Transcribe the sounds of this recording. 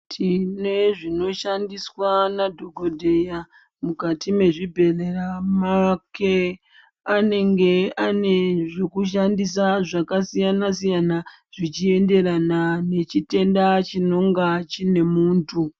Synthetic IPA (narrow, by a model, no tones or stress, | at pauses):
tʰine̞ʐino̞ʃandiswanadʱoɡʱodʱeja | mukatime̞ʐibʱe̞leramake | ane̞ŋɡe̞ane̞ʐekuʃ̬andis̬aʐakasijanasijana | ʐ̥it͡ʃie̞nde̞ɾanane̞t͡ʃite̞ndat͡ʃino̞ŋɡat͡ʃine̞muːntʰu